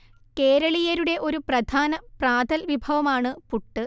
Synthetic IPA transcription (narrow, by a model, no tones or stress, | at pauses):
ke̞ːɾɐɭijɐɾuɽe̞ʔo̞ɾuprɐd̪ʱaːnɐpraːd̪ɐlʋibʱɐʋɐmaːɳɨpuʈːɨ